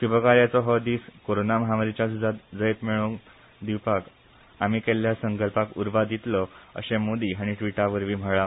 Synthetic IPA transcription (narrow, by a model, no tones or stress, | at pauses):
tubəkaɾjat͡sɔɦɔd̪iːskoɾonaməɦamaɾit͡ɕjasud͡zat̪d͡zəjet̪meɭo | d̪iwpak | amikɛljasəŋkəlpakuɾʋad̪it̪lɔə̰ɕemod̪iɦaɽ̃iʈʋiʈaʋəɾʋiːm̤əɭa